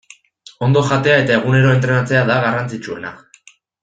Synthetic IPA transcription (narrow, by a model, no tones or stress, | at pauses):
o̞nd̪o̞ʝat̪e̞ae̞t̪ae̞ɣ̞une̞ɾo̞e̞nt̪̬ɾe̞nat͡se̞aðaɣarant͡sit͡ʃue̞̰na̰